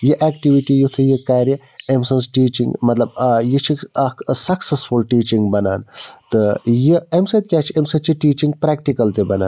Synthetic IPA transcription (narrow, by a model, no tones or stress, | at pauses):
jiʔɛːkʈiʋiʈijut̪ʰɨjikaːɾjɐ | emsɐ̃nsʈiːt͡ʃĩŋɡmɐt̪lɐbjit͡ʃʰikɐksɐksesfulʈiːt͡ʃiŋɡbɐna̰ːnt̪ɨjiemsɐd̪̚kʲaːt͡ʃʰiemsɐt͡ʃʰiʈiːt͡ʃĩŋɡ̚pɾaːkʈikɐlt̪ebɐna̰ːn